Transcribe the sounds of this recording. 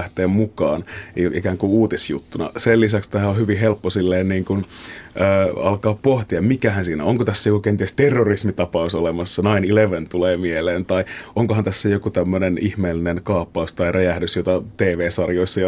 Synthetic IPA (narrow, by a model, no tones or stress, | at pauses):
ht̪eːmmukɑːniḭkæːŋkuuːt̪isjṵt̪ːunɑ̰selːisækst̪æhæohyʋiɦelpːosilːeːnniːŋkunʔəːɑ̰lkɑːppoht̪iɑmmikæhænsiːnæ̰oŋkot̪æsːæjokukent̪iest̪erːorismit̪ɑpɑusolemɑsːɑnɑinileʋent̪uleːmieleːnt̪ɑiʔoŋkohɑnt̪æsːæjokut̪æmːønenihmeːlːinenkɑːpːɑust̪ɑirʔæjæhdysjot̪ɑt̪eːʋeːsɑrjoisːɑjɑ